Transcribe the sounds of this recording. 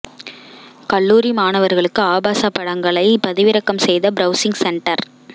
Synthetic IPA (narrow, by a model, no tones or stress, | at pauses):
kɐɭːuːɾimaːnɐʋɐɾɣɐɭɯkːɯaːbaːsapːɐɽɐŋɡɐɭɐɪpɐðɪʋɪɾɐkːɐmsɛjðɐbɾɐʊsɪŋɡsɛɳʈɐɾ